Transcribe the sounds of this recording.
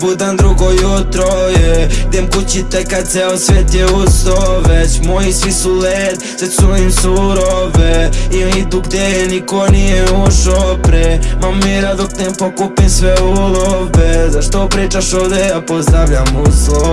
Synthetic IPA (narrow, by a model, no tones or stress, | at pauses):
bud̪amd̪ɾuɡojut̪ɾojed̪emkut͡ɕit̪ɛkad̪sɛosʋet̪jeusoʋet͡ɕmojisʋisulet̪sesunimsuɾoveiit̪uɡd̪enikonijɛuʃopɾemamːiɾad̪okt̪empokupimsʋeulovezaʃt̪opɾiːt͡ʃaʃod̪eapozd̪ɾaʋʎamuso